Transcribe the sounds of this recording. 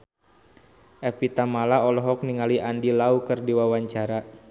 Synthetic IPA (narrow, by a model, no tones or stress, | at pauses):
ʔɛpit̪amalaɔlɔɦɔk̚niŋaliʔandilaukɨrdiwawaɲt͡ʃaɾa